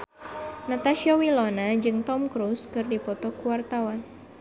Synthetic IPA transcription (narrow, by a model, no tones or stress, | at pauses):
nat̪aʃiawilɔnad͡ʒɨŋt̪ɔmkɾuskɨrdipɔt̪ɔkuwart̪awan